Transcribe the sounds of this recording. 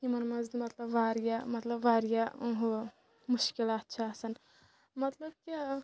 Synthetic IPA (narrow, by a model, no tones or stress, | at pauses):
imɐnmɐzd̪mɐt̪lɐbʋaːɾijamɐt̪lɐbʋaːɾijauɦu | muʃkilaːt̪̚t͡ʃʰaːsɐn | mɐt̪lɐb̚kʲi